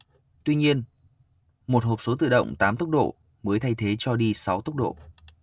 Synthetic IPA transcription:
t̪wi˧ɲi˧ən | mo˨˩t̚ho˨˩p̚so˨˦t̪ɨ̰˧˨ɗə̰˧˨wŋ͡mt̪aː˨˦mt̪ə˦˥k͡p̚ɗo̰˧˨ | məː˨˦jt̪ʰa˧jt̪ʰe˨˦t͡ɕɔ˧ɗi˧sa˨˦wt̪ə˦˥k͡p̚ɗo̰˧˨

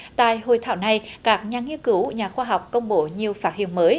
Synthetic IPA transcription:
t̪a̰ː˧˨jho˨˩jt̪ʰaː˧˩wna˧jkaː˦˥k̚ɲaː˨˩ŋi˧nkɨ˨˦wɲaː˨˩xwaː˧ɦa˨˩wk͡p̚kə˧wŋ͡mɓo˧˦ɲi˨˩əwfaː˦˥t̚hḭ˧˨ənməː˨˦j

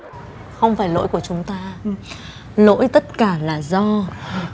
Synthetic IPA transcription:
xə˧wŋ͡mfaː˧˩jlo̰˧˥jku˧˩ət͡ɕʊ˨˦ŋ͡mt̪aː˧ | lo̰˧˥jt̪ə˦˥t̚kaː˧˩laː˨˩zɔ˧

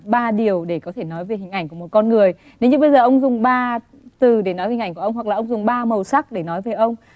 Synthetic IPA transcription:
ɓaː˧ɗi˨˩əwɗe˧˩kɔ˨˦t̪ʰe˧˩nɔ˨˦jve˨˩ɦï˨˩ŋ̟ʔa˧˩jŋ̟ku˧˩mo˨˩t̚kɔ˧nŋɨ˨˩əj | ne˨˦ɲɨ˧˥ɓə˧jzəː˨˩ʔə˧wŋ͡mzʊ˨˩ŋ͡mɓaː˧ | t̪ɨ˨˩ɗe˧˩nɔ˨˦jvi̟˨˧˩ŋku˧˩˧wŋ͡mhwa˨˩k̚lːaː˨ʔə˧wŋ͡mzʊ˨˩ŋ͡mɓaː˧mə˨˩wsa˦˥k̚ɗe˧˩nɔ˨˦jvəː˨˦jʔə˧wŋ͡m

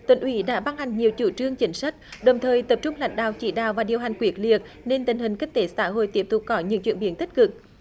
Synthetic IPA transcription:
t̪wḭ˧˩nʔwi˨˦ɗa̰ː˧˥ɓa˧ŋha˨˩jŋ̟ɲi˨˩əwt͡ɕu˧˩t͡ɕɨ˧əŋt͡ɕï˨˦ŋ̟sa˦˥jk̚ɗə˨˩wŋ͡mt̪ʰəː˨˩jt̪ə˨˩p̚t͡ɕʊ˧ŋ͡mla̰˧˥jŋ̟ɗa̰ː˧˨wt͡ɕi˧˩ɗa̰ː˧˨wvaː˨˩ɗi˨˩əwɦa˨˩jŋ̟kwi˨˦ək̚lḭ˨˩ək̚ | ne˧nt̪ï˨˩ŋ̟hï˨˩ŋ̟ki˦˥ŋ̟̚t̪e˨˦saː˧˦ɦo̰˧˨jt̪i˦˥əp̚t̪ʊ˨˩k͡p̚kɔ˨˦ɲɨ̰˧˥ŋt͡ɕwḭ˧˨ənɓi˨˦ənt̪i˦˥t̚kɨ˨˩k̚

